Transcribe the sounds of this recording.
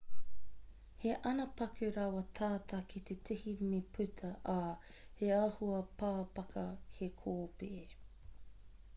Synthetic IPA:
he̞ʔɐnɐpɐkʰʉɾɐwɐt̪ʰaːt̪ʰɐkʰit̪etʰihimepʰʉtʰɐʔaːheahuɐpaːpɐkɐhekʰoːpeː

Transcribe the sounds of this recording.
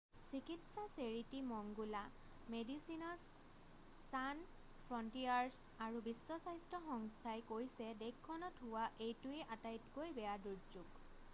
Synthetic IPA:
sikitsaseɹitimɔŋɡula | medisinɔsː | an | pʰɹɔntiaɹsaɹubisːɔsajstɔxɔŋstʰajkojsɛdekʰːɔnɔtɦʊwaʔejtʊeʔatajtkojbɛjaduɹzuɡ

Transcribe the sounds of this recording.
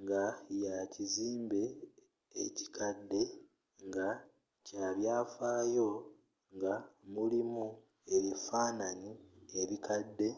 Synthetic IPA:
ŋɡajaciziːmbe̞̰ː | ci̥kʰadːe̞ | ŋɡa | caːβjaːfaːjo̞ | ŋɡamulimu | e̞βifaːnanieβikadːe̞

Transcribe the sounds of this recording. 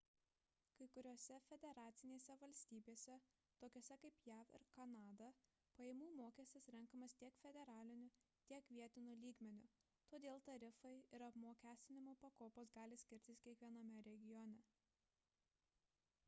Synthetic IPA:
kɐɪkʊɾʲoːsʲɛfʲɛd̪ʲɛɾɑːt̪sʲɪnʲeːsʲɛʋɐlʲsʲt̪ʲiːbʲeːsʲɛ | t̪oːkʲoːsʲɛkɐɪpjæːfɪ̰ɾkɐnɑːd̪ɐ | pɐjeːmuːmoːkʲɛːsʲt̪ʲɪsɾʲɛŋkɐmɐst̪ʲiɛkfʲɛd̪ʲɛɾɑːlʲɪnʲʊ | t̪ʲiɛkʋʲiɛt̪ʲɪnʊlʲiːɡmʲɛnʲʊ | t̪oːd̪ʲeːlˠt̪ɐɾʲɪfɐɪɪɾɐpmoːkʲæːsʲt̪ʲɪnʲɪmoːpɐkoːpoːs̬ɡɑːlʲɪsʲkʲɪɾʲt̪ʲɪskʲiɛkʋʲiɛnɐmʲɛɾʲɛɡʲɪjɔnʲɛ

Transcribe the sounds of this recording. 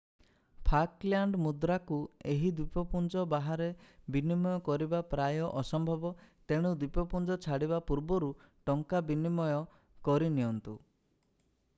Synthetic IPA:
pʰaklaɳɖmud̪ɾakueɦid̪wipɔpund͡ʒɔbaɦaɾebinimɔjɔkɔɾibapɾajɔʔɔsɔmbʱɔbɔt̪eɽ̃ud̪wipɔpund͡ʒɔt͡ʃʰaɽiβapuɾbɔɾu | ʈɔŋkabinimɔjɔ | kɔɾiniɔnt̪u

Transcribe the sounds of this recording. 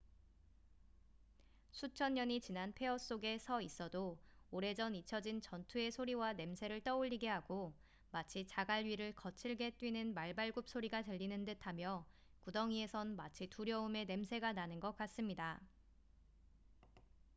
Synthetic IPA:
sʰut͡ɕʰʌɲːʌɲit͡ɕinanpʰe̞ʌs͈oɡe̞sʰʌis͈ʌdooɾe̞d͡ʑʌnit͡ɕʰʌd͡ʑint͡ɕʌntʰue̞sʰoɾiwane̞msʰe̞ɾɯɭt͈ʌuʎːiɡe̞ɦaɡo | mat͡ɕʰit͡ɕaɡaʎɥiɾɯɭkʌt͡ɕʰiɭɡe̞t͈ɥinɯnmaɭbaɭɡup̚s͈ʰoɾiɡatɯʎːinɯndɯtʰamjʌ | kudʌŋie̞sʰʌnmat͡ɕʰituɾjʌume̞ne̞msʰe̞ɡananɯnɡʌk̚k͈as͈ɯmɲida

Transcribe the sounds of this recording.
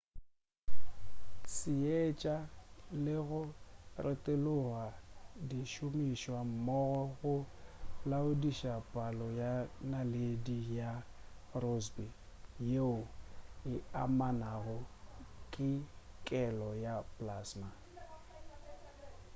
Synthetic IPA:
sɪet͡ʃʼalɪɣʊrʔɪtʼelʊɣadiʃʊmiʃwam̩mɔɣɔɣʊlaʊdiʃapʼalɔjanaledija | rosbi | jeʊɪamanaɣʊkʼɪkʼɛlɔjapʼlaːsma

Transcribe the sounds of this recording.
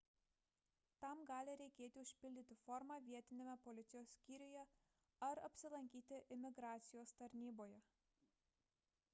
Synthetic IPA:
t̪ɐmɡɑːlʲɪɾʲɛɪkʲeːt̪ʲɪʊʃʲpʲɪlʲd̪ʲɪt̪ʲɪfɔɾmɑʋʲiɛt̪ʲɪnʲɪmʲɛpɔlʲɪt̪sʲɪjoːsʲsʲkʲiːɾʲʊjɛ | ɐɾɐpʲsʲɪlˠɐŋʲkʲiːt̪ʲɪʔɪmʲɪɡɾɑːt̪sʲɪjoːst̪ɐɾʲnʲiːboːjɛ

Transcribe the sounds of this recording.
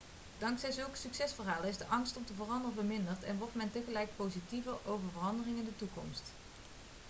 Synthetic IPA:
d̥ɑŋksɛjzɵlˠkə̥syksɛsfəɹɦaːləɪzdəʔɑŋstɔmtəvərɑndərənvəɹmɪndəɹtɛ̰nʋɔɹtmɛntəχəlɛjkpowzitivəɹowvəɹvərɑndərɪŋɪndətukɔ̰mst

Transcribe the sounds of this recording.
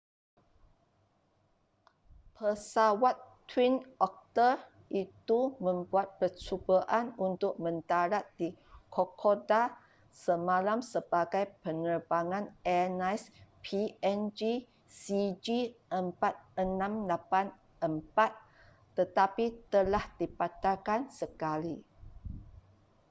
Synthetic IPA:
pʰəsawat̪ː | winɔk̚t̪ə | it̪umə̃mbuat̪̚pərt͡ʃubəʔanunt̪ʊk̚mə̃nt̪aɾat̪̚dikʰokʰoda | səmãlamsəbaɡajpənərbaŋãnɛnajspʰiɛnd͡ʒi | sid͡ʒiʔəmpat̪̚ənãmlapan | əmpat̪̚ː | ət̪apit̪əlahd̥ipat̪akansəkali

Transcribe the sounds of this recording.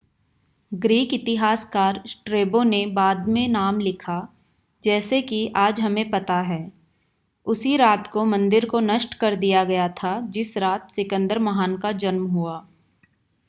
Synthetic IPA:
ɡɾiːkɪt̪ɪɦaːskaːɾsʈɾeːbõnebaːd̪mẽnaːmlɪkʰa | d͡ʒɛːsekiaːd͡ʒɦɐmẽpɐt̪aɦɛː | ʊsiɾaːt̪komɐ̃nd̪ɪɾkonɐʃʈkɐɾd̪ijaɡɐjat̪ʰad͡ʒɪsɾaːt̪sɪkə̃nd̪əɾmɐɦaːnkad͡ʒɐnmɦuaː

